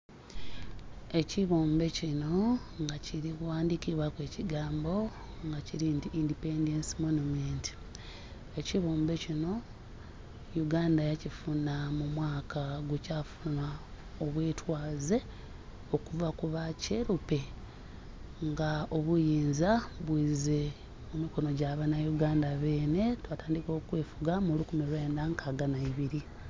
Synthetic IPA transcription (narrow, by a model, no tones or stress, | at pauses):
e̞ciβoːmbe̞cino̞ŋɡaciɾikwaːndikiβwakwe̞ːciɡaːmbo̞ | ŋɡaciɾindiʔindipendensimonumenti̥ | e̞ciβoːmbe̞cino̞ | juɡaːndajacifunamumwaːkaɡucafuna | o̞βweːtʰwaːze̞ | o̞kuvakuβaceɾupe̞ | ŋɡaoβujiːnzaβwiːze̞ | mumiko̞no̞ɟaβanajuɡaːndaβe̞ːne̞twataːndiko̞ːkweːfuɡamulukumilwe̞ːndaŋkʰaːɡanaiβiɾi